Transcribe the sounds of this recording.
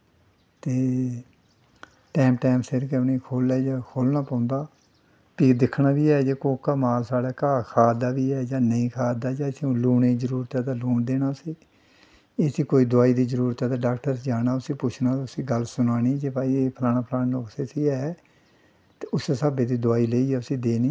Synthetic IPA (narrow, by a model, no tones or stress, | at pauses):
t̪eː | ʈɛːmpʈɛːmpseɾkeneːkʰoːlɛːd͡ʒaːkʰoːlnaːpãːʊ̃nd̪aː | piːd̪ɪkʰnaːʋiːɛːd͡ʒeːkoːkaːmaːlsaːɽaːkaːkʰaːd̪aːʋiːɛːd͡ʒaːnəĩːkʰaːd̪aːd͡ʒaːɪsiːõːluːɳeːzəɾuːɾt̪ɛːd̪aːluːɳd̪eːnaːsiː | eːsiːkoːiːd̪ʊaːiːd̪iːzəɾuːɾət̪ɛːd̪aːɖaːkʈəɾsd͡ʒaːnaːʊsĩːpʊt͡ʃʰnaːʊsĩːɡəlsʊnaːniːd͡ʒeːpaːiːeːpʰlaːnaːpʰəlaːnːoːkseːsiːɛː | t̪eʊseːsaːbeːd̪iːd̪ʊaːiːleːiːɛːʊsĩːd̪eːniː